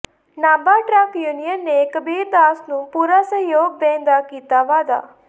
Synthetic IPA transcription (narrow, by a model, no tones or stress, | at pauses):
nãːmbaːʈɾəkjuːnijənːeːkəbiːɾd̪aːsnũːpuːɾaːsə̃joːɡ̚bẽːnd̪aːkiːt̪aːʋaːd̪a̰ː